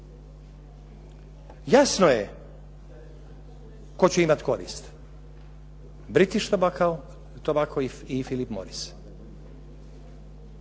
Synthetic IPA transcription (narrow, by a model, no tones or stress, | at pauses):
jasnoje | kot͡ɕuimat̪ko̞ɾḭːst̪ | bɾit̪iʃt̪ | t̪obakoi | ifilipmo̰ɾis